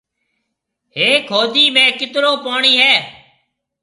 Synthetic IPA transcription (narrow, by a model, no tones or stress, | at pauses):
ɦeːkʰoːd̪ʱiːmẽːkɪt̪ɾoːpaːɳiːɦɛː